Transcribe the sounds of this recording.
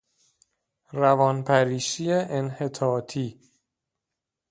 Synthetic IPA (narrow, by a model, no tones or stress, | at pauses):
ɾævɒnpʰæɾiːʃieʔenhet̪ʰɒːt̪ʰiː